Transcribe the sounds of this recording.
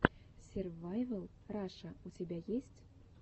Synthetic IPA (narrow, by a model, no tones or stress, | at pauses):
sʲervɑjvɤ̆lˠ | rɑʂɤutʲebʲæjesʲtʲ